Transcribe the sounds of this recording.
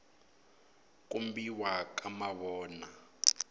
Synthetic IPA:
k̬ʼumbiwak̬ʼamaβɔːna

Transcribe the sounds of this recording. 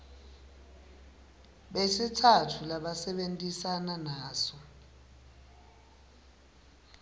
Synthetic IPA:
ɓesitʰatʰulaɓasɛɓentʼisananaːsɔ

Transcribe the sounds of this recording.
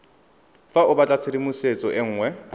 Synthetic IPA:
faʊbat͡ɬʼat͡sʰedimʊset͡sʼɔʔɪŋ̩ːŋwɛ

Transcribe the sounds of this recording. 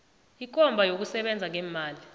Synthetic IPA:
ik̬ʼɔmbʱajok̬usɛɓɛnd͡zʱaŋɛːmaːli

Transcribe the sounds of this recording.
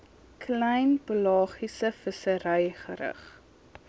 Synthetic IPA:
kʰlɛjnpəlɑːχisəfəsəɾɛjχəɾə̰χ

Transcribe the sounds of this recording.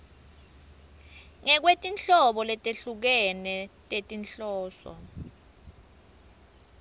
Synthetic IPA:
ŋɛk̬wetʼint͡ɬɔɓɔlɛtʼeɬuk̬ɛnɛtʼetʼinɬɔːsɔ̰

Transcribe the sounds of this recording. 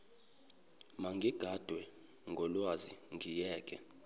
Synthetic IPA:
maŋɡʱiɡ̥ʱad̥ʱwɛ | ŋɡʱɔlwazḭŋʱijɛːkʼɛ̰

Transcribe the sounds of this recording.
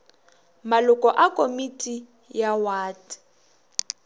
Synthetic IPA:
malʊkʼɔʔakʼomitʼi | jawaːti̥

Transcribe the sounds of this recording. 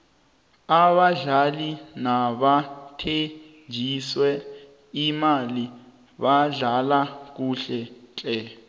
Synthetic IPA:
aβaɮalinaɓatʰe | nd͡ʒʱiswɛ | imali | βaɮalak̬uɬɛt͡ɬʼɛ

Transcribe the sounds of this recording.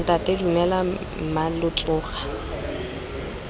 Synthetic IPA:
tʼatʼedumɛla | malʊt͡ɬʼʊːχḁ

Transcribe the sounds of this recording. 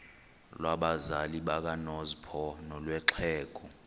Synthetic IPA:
lwaɓazaliɓak̬anɔzpʰɔnɔlwɛǁʰɛːk̬ɔ

